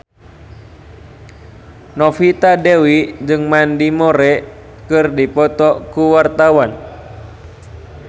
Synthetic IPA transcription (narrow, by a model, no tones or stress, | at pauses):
nɔfit̪adɛwid͡ʒɨŋmandimɔɾɛ | kɨrdipɔt̪ɔkuwart̪awan